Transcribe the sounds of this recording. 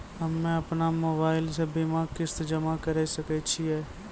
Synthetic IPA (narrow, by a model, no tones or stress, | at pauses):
ɦɐmːẽɐpnamoːbaːɪlsebiːmakɪst̪d͡ʒəmakɐɾɛsɐket͡ʃʰiɦɛː